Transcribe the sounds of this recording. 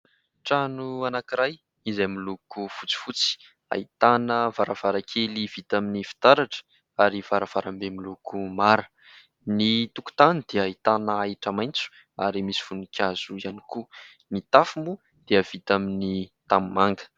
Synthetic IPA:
ʈ͡ʂanuanakiɾaj | izajmilukufut͡si̥fut͡si̥ | a̰it̪anəvaɾav̥aɾakʰelivit̪aminifi̥t̪aɾaʈ͡ʂə̥ | aɾiv̥aɾav̥aɾambemilukumaɾə | nit̪uku̥t̪anid̪̥eəait̪anəaiʈ͡ʂəmajnt͡su̥ | aɾimisi̥funikʲʰaz̥uianiku | nit̪afumu | d̪̥eəv̥it̪aminit̪ammaŋɡə̥

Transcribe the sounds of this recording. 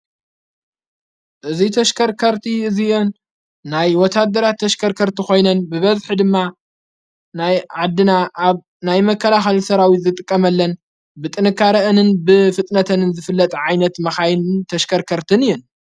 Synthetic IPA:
ʔɨzit̪ʰɐʃkʰɐɾkʰɐɾt̪ʰiɨzionː | ajwɔt̪ʰːad̪ːɐɾat̪ʰːɐʃkʰɐɾkʰɐɾt̪ʰixo̞jnɐnbɨβɐzħid̪ɨmːa | najʕad̪ːɨnaʔaβ | najmɐkʰːɐlaxɐlsɐɾawit̪zɨt̪ʼɨkʼːɐmɐlːɐn | bɨt̪ʼɨnɨkʰːaɾɐʔɨnɨnbɨfɨt̪ʼnɐt̪ʰɐnɨnzɨfɨlːɐt̪ʼʕajnɐt̪mɐxajnɨnt̪ʰɐʃkʰɐɾkʰɐɾt̪ʰɨnɨjːɛn

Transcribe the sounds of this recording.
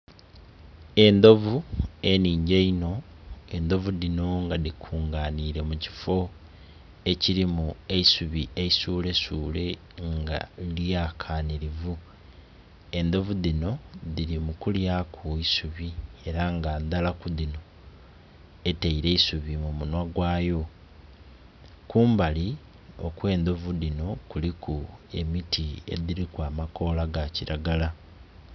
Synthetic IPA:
e̞nd̪o̞vue̞niːɲɟeino̞ | e̞nd̪o̞vuðino̞ŋɡaðikʰuːŋɡaːniːɾe̞muci̥fo̞ | e̞ciɾimue̞isuβie̞isuːle̞suːle̞ | ŋɡa̰ljaːkʰaːniɾivu | e̞nd̪o̞vuðino̞ðiɾimukuljakʰoisuβie̞ɾaŋɡaːnd̪alakuðino̞ | e̞teiɾe̞isuβimumunwaɡwaːjo̞ | kuːmbali | o̞̰kwe̞ːnd̪o̞vuðino̞kulikʰue̞mitʰie̞̰ðiɾikwaːmako̞ːlaɡaciɾaɡala

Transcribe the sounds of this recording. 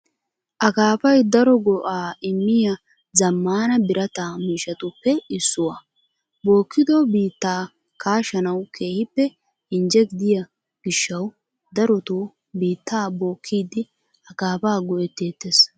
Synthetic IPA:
ʔɐkaːpɐjd̪ɐɾɔɡɔʔaːɪmːɪjɐ | zɐmːaːnɐbɪɾʔɐt̪amiːʃɐt̪ʊpːɛɪsːʊwɐ | bo̞ːkːɪd̪ɔbiːt̪ːaː | kaːʃɐnɐwkʰe̞ːhɪpːɛ | ɪnd͡ʒɛɡɪd̪ɪjɐ | ɡ̥ɪʃːɐw | d̪ɐɾɔt̪o | biːt̪ːaːboːkʰːiːd̪ɪ | ɐkaːbaːɡɔʔɛt̪ːeːt̪ːes

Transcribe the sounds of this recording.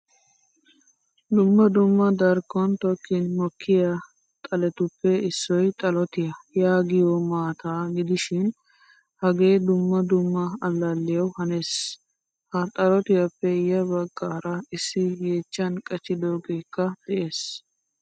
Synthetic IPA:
d̪ʊmːɐd̪ʊmːɐd̪ɐɾkːɔnt̪ɔkːɪnmɔkːɪjɐ | t̪ʼɐlɛt̪ʊpːɛɪsːɔjt̪ʼɐlɔt̪ɪjɐjaːɡɪjɔmaːt̪aːɡɪd̪ɪʃɪn | hɐɡe̞ːd̪ʊmːɐd̪ʊmːɐɐlːɐlːɪjɐwhɐneːs | hɐt̪ʼɐlɔt̪ɪjɐpːɛjɐbɐɡːaːɾɐɪsːɪjeːt͡ʃːɐnkʼɐt͡ʃːɪd̪oːɡeːkːɐd̪̥ɛʔe̞ːs

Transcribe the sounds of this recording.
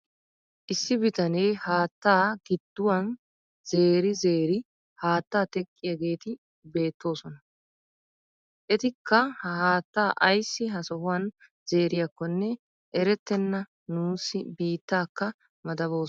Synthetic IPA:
ʔɪsːɪbɪt̪ɐnejhaːt̪ːaːɡɪd̪̥ːʊwɐn | ze̞ːɾɪzeːɾɪ | haːt̪ːaːt̪ɛkʼːɪjɐɡe̞ːt̪ɪ | be̞ːt̪ːo̞ːsɔnɐ | ʔɛt̪ɪkːɐhhaːt̪ːaːʔɐjsːɪɦɐsɔɦʊwɐn | z̥e̞ːɾɪjɐkːɔnːɛ | ʔɛɾɛt̪ːɛnːɐ | nuːsːɪbiːt̪ːaːkːɐ | mɐd̪ɐβo̞ː

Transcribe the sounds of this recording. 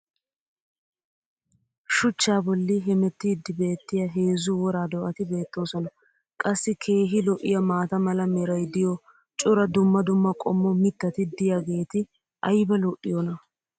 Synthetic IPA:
ʃʊt͡ʃːaːbɔlːɪɦɛmɛt̪ːɪːd̪ːɪbe̞ːt̪ːɪjɐɦe̞ːzuwɔɾaːd̪ɔʔɐt̪ɪbe̞ːt̪ːo̞ːsɔnɐ | kʼɐsːɪkʰe̞ːɦɪlɔʔɪ̰jɐmaːt̪ɐmɐlɐmɛɾɐjd̪ɪjɔ | t͡ʃʼʊɾɐd̪ʊmːɐd̪ʊmːɐkʼɔ̰mːɔmɪt̪ːɐt̪ɪd̪ɪjaɡe̞ːt̪ɪ | ʔɐjbɐlɔʔːɪjɔnɐ

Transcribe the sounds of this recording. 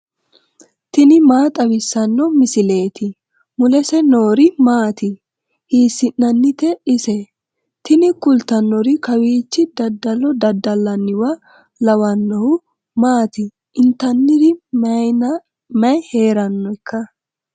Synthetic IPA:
t̪ɪnɪmaːt̪ʼɐwɪsːɐnːɔmɪsɪle̞ːt̪ɪ | mʊlɛsɛno̞ːɾɪmaːt̪ɪ | hiːsːɪnːɐnːɪt̪ɛɪsɛ | t̪ɪnɪkʊlt̪ːɐnːɔɾɪkɐwiːt͡ʃːɪd̪ɐd̪ɐlɔd̪ɐd̪ːɐlːɐnːɪwɐ | lɐwɐnːɔhʊ | maːt̪ɪ | ɪnt̪ɐnːɪd̪ɪnɐ | mɐjhe̞ːɾɐnːɔɪkːɐ

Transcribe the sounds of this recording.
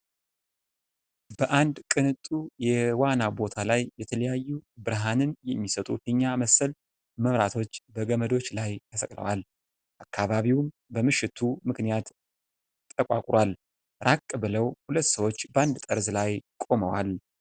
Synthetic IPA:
bəʔand̪kʼɨnɨt̪ʼujɛwanabo̞t̪ʰalajːɛt̪ʰələjajːubɨɾɦanɨnjɛmːisət̪ʼṵfɨɲːaməsəl | məmɾat̪ʰo̞t͡ʃːbəɡəməd̪o̞t͡ʃːlajt̪ʰəsəkʼlə̰wal | ʔakʰːaβaβiwm | bəmɨʃːɪt̪ʰumɨknijat̪ | t̪ʼːəkʼa̰kʼɾwal | ɾakʼːɨbɨləwhulət̪ːsəwo̞t͡ʃːbəand̪t̪ʼəɾzlajkʼo̞məwal

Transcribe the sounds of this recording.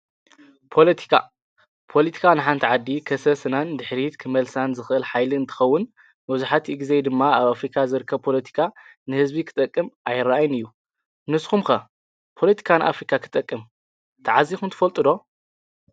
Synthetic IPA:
pʰo̞lɐt̪ʰi̥kʰa̰ | pʰo̞lɐt̪ʰi̥kʰanɨħant̪ʰiʕad̪ːikʰɐsɐsɨnand̪ɨħɾit̪kʰɨmɐlsanzɨxʔɨlħajlɨɨnt̪ʰɨ̥xɐwːʊn | mɐβzuħat̪ʰiɡized̪ɨmːaaβafɾikʰazɨɾɨkʰːɐβpʰo̞lɐt̪ʰi̥kʰa | nɨhɨzbikʰɨ̥t̪ʼɐkʼːɨmʔajɪraʔajnɨjːu | nɨskumxɐ | pʰo̞lɐt̪ʰi̥kʰanɨʔa̰fɾikʰʼakʰɨ̥t̪ʼɐkʼːɨm | t̪ʰɐʕazixunt̪ʰɨ̥fɐlt̪ʼɨd̪o̞

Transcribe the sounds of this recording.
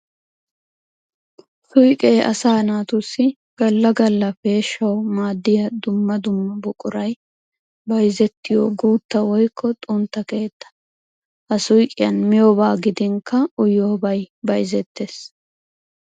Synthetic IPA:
sʊjkʼeːʔɐ̰saːnaːt̪ʊsːɪ | ɡ̥ɐlːɐɡɐlːɐfeːʃɐwmaːd̪ːɪjɐd̪ʊmːɐd̪ʊmːɐbʊkʼʊɾɐj | bɐjzɛt̪ːɪjoːɡuːt̪ːɐwɔjkʰːɔt̪ʼʊnt̪ːɐke̞ːt̪ːɐ̥ | hɐsʊjkʼɪjɐnmɪjoːbaːɡɪd̪ɪŋkɐʊjoːbɐjbɐjzɛt̪ʰːeːs

